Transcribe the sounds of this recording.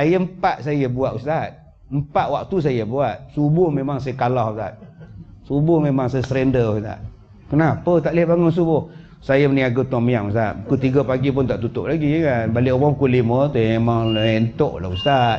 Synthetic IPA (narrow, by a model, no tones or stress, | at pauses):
sajəm̩paʔsajəbuaʔust̪at̪̚ | m̩paʔwak̚t̪us̬ajəbuat̪̚subʊhmemaŋsajəkalɔhust̪a̰t̪̚ | subʊhmemaŋsajəsɾɛndəust̪a̰ʔ̚ | kənapət̪aʔlɛhbaŋʊns̬ubʊh | sajəməniaɡət̪ɔmijaŋust̪a̰t̪̚kut̪iɡəpaɡip̬ʊnt̪aʔt̪ut̪ʊp̚laɡikanbalɪʔomɔkulimət̪umemaŋent̪oʔla̰ust̪at̪̚